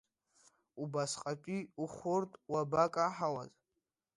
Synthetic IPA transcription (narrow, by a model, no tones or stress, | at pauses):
ubasqʼat͡ʃʷʼiuχʷʊrtʼwabakʼaħawa̰z